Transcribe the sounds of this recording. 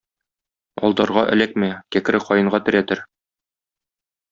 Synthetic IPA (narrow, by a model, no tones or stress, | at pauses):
ɒ̰lˠd̪ɑɾʁɑʔɘ̰̆læk̚mækækɘ̆ɾɘqɒjɤ̆ɴʁɑt̪ɘ̆ɾæt̪ɘɾ